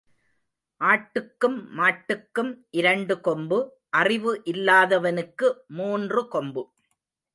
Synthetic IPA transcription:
ʔaːʈːɯkːɯmːaːʈːɯkːɯmʔɪɾɐɳɖɯkɔmbɯ | ʔɐrɪʋɯʔɪlːaːðɐʋɐnɯkːɯmuːndrɯkɔmbɯ

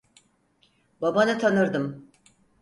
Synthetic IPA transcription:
babanɯt̪ʰanɯɾd̪ɯm

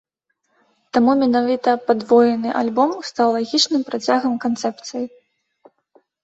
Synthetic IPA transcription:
t̪amumʲɛnavʲit̪ɐpad̪vɔjɛnɨʔalʲbɔmst̪awlˠaɣʲit͡ʂnɨmpɾat͡sʲaɣɐmkant̪sɛp̚t̪sɨji

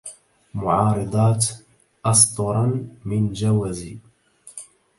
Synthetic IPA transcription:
mʊʕɑːɾˤɨd̪ˤɑːt̪ | ʔɑsˤt̪ˤʊɾˤɑnmɪnd͡ʒawaziː

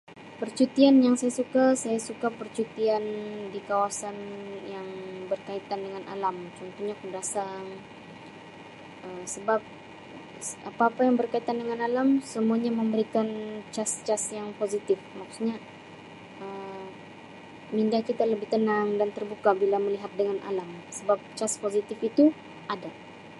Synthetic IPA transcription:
pərt͡ʃut̪ianjaŋsajasukasajasukapərt͡ʃut̪iandikawasanjaŋbərkait̪andəŋanʔa̰lamt͡ʃɔnt̪uhɲakədasaŋ | ʔəmsəbap̚ | apaːpajaŋbərkait̪andəŋanalamsəmuaɲaməmbəɾikant͡ʃast͡ʃasjaŋpozit̪ɪfmaksuɲa | əm | mindahkit̪aləbɪht̪ənaŋdant̪ərbukabilaməliɦat̪̚dəŋanʔa̰lamsəbap̚t͡ʃaspozit̪ɪfit̪u | ʔada

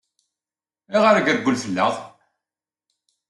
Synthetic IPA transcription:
iʁəɾəɡəɾɡʷʊlθəlːəðˤ

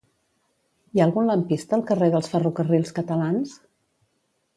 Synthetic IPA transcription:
iaəlˠɣunləmpist̪əːlˠkəreðəlˠsfərukərilˠskət̪əlans

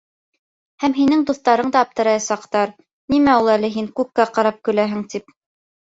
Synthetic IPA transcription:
hæmɦinɘŋd̪uθt̪ɑɾɤɴd̪ɑːp̚t̪ɤ̆ɾɑjɑsɑqt̪ɑɾ | nimæulˠælɘɦiŋkʉp̚kæqɑɾɑp̚kɵ̆læɦɘ̆ŋt̪ip̚

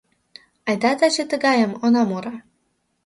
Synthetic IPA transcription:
ɑjd̪ɑt̪ɑt͡ɕə̆t̪ə̆ɣɑjə̆monɑmuɾɑ

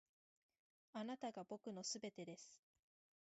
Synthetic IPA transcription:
anat̪aɡabo̞kɯ̟no̞sɨbe̞t̪e̞d̪e̞sɨ̥

